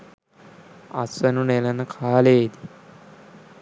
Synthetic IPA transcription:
a̰sɐnunelənəkʰaːleːd̪i̥

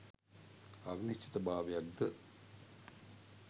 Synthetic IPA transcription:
ɐʋinit͡ʃːi̥t̪ɐbaːʋejak̚d̪ə

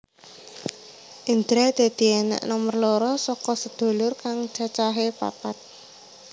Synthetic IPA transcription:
ʔind̪ɾɛd̪̥e̤d̪̥i̤ɛnɛ̰ʔnɔmərlɔɾɔsɔkɔsəd̪̥o̤lʊrkaŋ̥d͡ʒ̥at͡ʃaɦepa̰pat̪̚

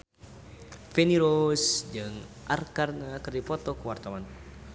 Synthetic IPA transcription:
fɛniɾosd͡ʒɨŋ | ʔarkarnakɨrdipɔt̪ɔkəwart̪awan

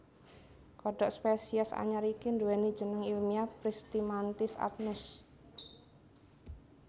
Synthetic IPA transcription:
kɔɖɔʔspesiasa̰ɲaɾikinduwɛni̥d͡ʒənəŋilmiapɾist̪imant̪ɪsa̰t̪̚nʊs

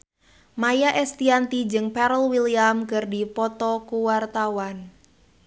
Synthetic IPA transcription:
majaʔɛst̪iant̪id͡ʒɨŋpɛɾəlwiliamkɨrdipɔt̪ɔkuwart̪awan

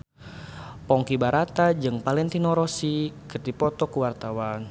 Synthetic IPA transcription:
pɔŋkibaɾat̪ad͡ʒɨŋpalɛnt̪inɔɾɔsikɨrd̪ipɔt̪ɔkuwart̪awan

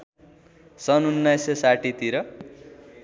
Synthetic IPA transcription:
sʌnunːʌjsesaʈit̪iɾʌ

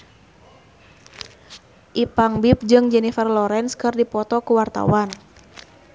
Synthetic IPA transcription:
ʔipaŋbip̚d͡ʒɨŋd͡ʒɛnifərlɔɾɛnskɨrdipɔt̪ɔkuwart̪a̰wan

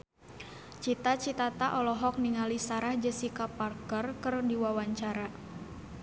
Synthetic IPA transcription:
t͡ʃit̪at͡ʃit̪at̪aʔɔlɔɦɔk̚niŋalisaɾahd͡ʒəsikaparkərkərdiwawaɲt͡ʃaɾa

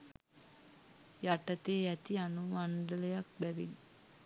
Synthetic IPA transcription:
jaʈət̪eːæt̪ianuʋaɳɖələjak̚bæʋḭn

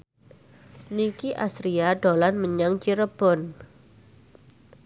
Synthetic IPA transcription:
nikiʔa̰sɾiaɖolanməɲaŋt͡ʃiɾəb̥ɔn

